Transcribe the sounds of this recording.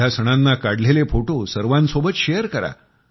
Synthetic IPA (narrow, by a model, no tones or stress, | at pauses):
asəɽ̃anːakaɽlelefoʈosəɾʋãnsobət̪ɕejəɾkəɾa̰